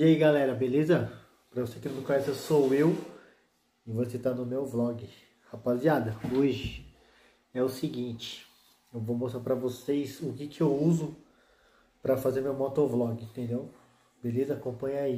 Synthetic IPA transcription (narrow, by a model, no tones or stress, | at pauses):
iaiɡalɛɾɐbelezɐ | pɾɐvosekɪnõkõjɛsesowew | ɪvoset̪anʊmewblɔɡɪ | hapaziad̪ɐoʒɪ | ɛʊsɪɡĩnt͡ʃɪ̥ | ewvowmost̪aɾpɾɐvosejsʊkɪkɪewuzʊ | pɾɐfazeɾmewmɔt̪oɾblɔɡɪĩnt̪ẽnd̪ew | belezɐakõpɐ̃ɲai